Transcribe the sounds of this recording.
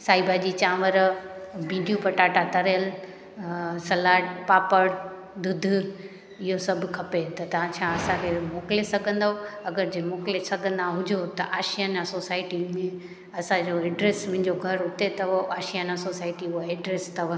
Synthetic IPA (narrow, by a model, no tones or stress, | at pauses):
saːibʱad͡ʑit͡ɕãːʋəɾbʱĩːɖijupɐʈaːʈat̪ɐɾəjəl | sɐlaːʈpaːpəɽ | d̪ʊd̪ʱ | ɪɦosɐbʱkʰɐpet̪ɐt̪ɐʋ̤ãt͡ɕʰaːɐsãkʰemoːklesɐɡʱə̃nd̪aoɐɡəɾd͡ʑeːmoːkɪlesɐɡʱə̃nd̪aɦʊd͡ʑʱot̪ɐʔaːʃijanasoːsaːɪʈimẽ | ɐsãd͡ʑoeːɖɾeːsmɐ̃ɦɪ̃ɲd͡ʑoɡʱɐɾʊt̪et̪ɐoʔaːʃijanasoːsaːɪʈiʊaeːɖɾeːst̪ɐʋ